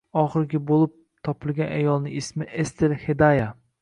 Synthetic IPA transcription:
ɒχɨɾɡʲabolˠɪp̚ | t̪ʰɒpʰɪlˠɡʲanʔajɒlˠnɪŋɪsmɪʔest̪ʰeɾhed̪aja

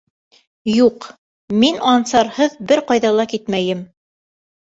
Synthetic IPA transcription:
juq | minɑnsɑɾhɤðbɘɾqɑjðɑlˠɑkit̪mæjɘm

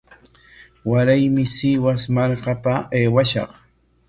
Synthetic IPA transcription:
waɾajmɪsɪwasmaɾɢapaeːwaʃɑ̰q

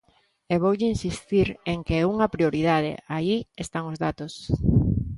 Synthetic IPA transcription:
eβowʎɪinsist̪iɾeŋkeuŋɐpɾioɾiðað̞ḛaiest̪aŋozðat̪os

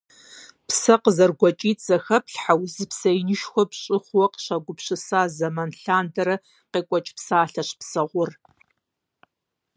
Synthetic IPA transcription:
psɐqəzɐrɡʷɐt͡ʃʼiːtʼz̥ɐxɐpʰɬħawzɨpsɐjnɨʃxʷɔpɕʼɪχʷwɐqɕɐɡʷʊpɕɨsaːzɐmɐnɬaːndɐɾɐ | qeːkʷʼɔt͡ʃʼpsaːɬɐɕpsɐʁʷʊr

